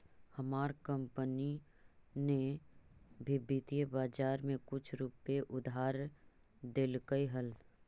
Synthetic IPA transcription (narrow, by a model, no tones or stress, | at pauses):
hɐmaːɾkə̃mpəni | ne | bʱɪbit̪ijbaːd͡ʒaːɾmẽkʊt͡ʃʰɾupeʔʊd̪ʱaːɾ | d̪ɪlkəiɦəl